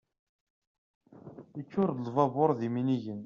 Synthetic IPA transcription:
ət͡ʃːʊɾlvɑboɾˤðiminiʝən

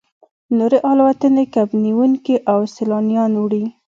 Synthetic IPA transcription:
noɾeʔɑlwat̪ənekabniwuŋkiʔawsɪlɑnijɑnwɽi

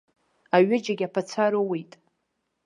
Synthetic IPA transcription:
aɥɪd͡ʒaɡʲapʰat͡sʰaɾowejtʼ

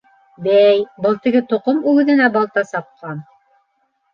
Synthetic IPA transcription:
bæjbɤlˠt̪ɘ̆ɡɘt̪ŏqomʉɡɘ̆ðɘ̆næbɑlˠt̪ɑsɑp̚qɑn

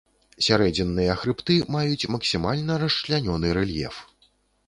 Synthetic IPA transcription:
sʲaɾɛd͡zʲɛnːɨjɐxɾɨpt̪ɨmajut͡sʲmɐksʲimalʲnɐɾɐʂlʲanʲɔnɨɾɛlʲjɛ̰f

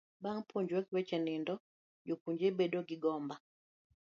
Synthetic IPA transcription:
baŋpʰoɲd͡ʒwɛkwɛt͡ʃɛnɪndɔ | d͡ʒokuɲd͡ʒebedoɡiɡɔmba

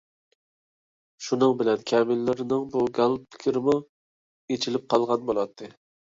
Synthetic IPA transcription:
ʃunɨŋbɪlɛnkʲʰɛmɪlːɪɾɪnɪŋbuɡɑl̚ˠpʰɪ̥kʲʰɪɾɪmu | et͡ʃʰilɪp̚qʰɑlˠʁɑnbolˠɑt̪ʰːɨ

